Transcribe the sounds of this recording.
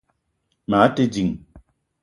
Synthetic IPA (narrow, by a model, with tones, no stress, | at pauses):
ma˨˦te˦d͡ʒi˨ŋ